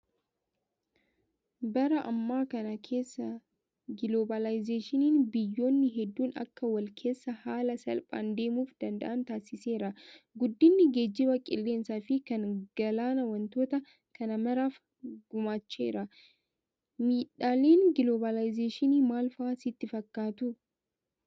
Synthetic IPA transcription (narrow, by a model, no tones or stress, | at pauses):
bɐɾɐʔɐmːaːkɐnɐkʰe̞ːsːɐ | ɡɪloːbɐlajzeːʃɪniːnbɪjːo̞ːnːɪɦɛd̪ːuːnɐ̰kːɐwɐlkʰe̞ːsːɐhaːlɐsɐ̰lpʼa̰ːnd̪e̞ːmuːfd̪̥ɐnd̪ɐ̰ʔɐnt̪aːsɪse̞ːɾɐɡʊd̪ːɪnːɪɡe̞ːd͡ʒːɪbɐkʼɪ̰lːe̞ːnsaːfɪkɐnɡ̥ɐlaːnɐwɐnt̪o̞ːt̪ɐ | kɐnɐmɐɾaːf | ɡʊmaːt͡ʃːe̞ːɾɐ | miːᶑaːle̞ːnɡɪloːbɐlajzeːʃɪniːmaːlfaːsɪt̪ːɪfɐkːaːt̪ʊ